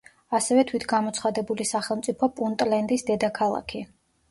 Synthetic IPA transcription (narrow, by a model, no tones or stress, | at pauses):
asɛvɛt̪ʰwit̪ʰɡamɔt̪sʰχad̪ɛbulisaχɛlˠmt̪sʼipʰɔpʼunt̪ʼlɛnd̪isd̪ɛd̪akʰalˠa̰kʰi